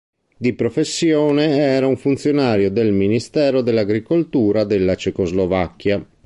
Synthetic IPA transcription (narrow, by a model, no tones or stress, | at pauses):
d̪ipɾofesːjɔːneɛːɾauɱfunt̪sjonaːɾjod̪elminist̪ɛːɾod̪elːaɡɾikolt̪uːɾad̪elːat͡ʃɛkozlovakːja